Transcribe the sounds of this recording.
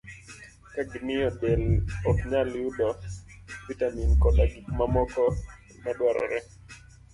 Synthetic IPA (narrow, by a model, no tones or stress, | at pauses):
kaɡɪmɪjɔdɛlɔtɲaljudɔ | vitaminkɔdaɡikmamɔkɔ | maɗwaɾɔ̰ɾɛ